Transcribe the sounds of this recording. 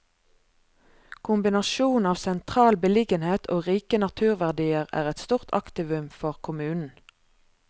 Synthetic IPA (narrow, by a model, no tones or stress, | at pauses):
kʰʊmbɪnɑʃuːnɑːʋsɛnt̪ʰʁɑːlbəlɪɡənheːt̪ʰoːʁiːkənɑt̪ʰʉːʁʋæʁd̪iːəʁæ̰ːʁɛt̪st̪uːʁt̪ʰɑ̰kt̪ɪʋʉmfɔʁkʰʊmʉːnn̩